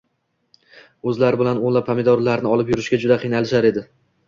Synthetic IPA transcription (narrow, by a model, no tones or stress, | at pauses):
ɵzlaɾɪbɪlanolˠapʰːamɪd̪ɒɾlaɾnɪɒlˠɪpjʊɾɪʃkʲad͡ʒʊd̪aqʰɨjnalɪʃaɾe̞d̪ɪ